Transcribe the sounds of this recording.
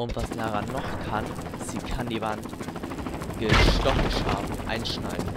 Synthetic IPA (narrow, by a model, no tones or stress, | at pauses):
ʔʊntv̥asdaʁanːɔχkʰan | z̥iːkʰandiːvant | ɡ̥əʃtɔχəʃa̰ːfn̩ʔa̰ɪnʃnaɪdn̩